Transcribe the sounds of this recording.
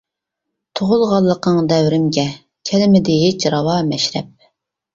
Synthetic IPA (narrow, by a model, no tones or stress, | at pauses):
t̪ʰoʁʊlˠʁɑlˠːəqəŋd̪ɛwɾɪmɡʲɛ | kʲʰɛlɪmɪd̪ɪɦet͡ʃɾɑwɑmɛʃɾɛ̰p̚